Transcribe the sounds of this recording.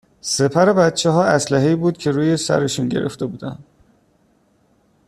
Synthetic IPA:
se̞pʰæɾe̞bæt̪t͡ʃʰːe̞ɦɒːæslæɦe̞iːbuːd̪̚cʰe̞ɾuːje̞sæ̰ɾe̞ʃunɟe̞̰ɾe̞̰ft̪e̞buːd̪æ̰nd̪̥

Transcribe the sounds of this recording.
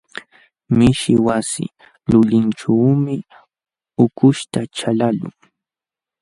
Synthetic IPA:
mɪʃɪwasɪ̰ | lʊʎɪnʈ͡ʂaːmɪ | ʊkʊʃt̪at͡ʃalalʊ̰ŋ

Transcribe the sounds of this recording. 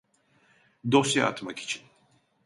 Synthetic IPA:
d̪osja̰a̰t̪maki̥t͡ʃʰin

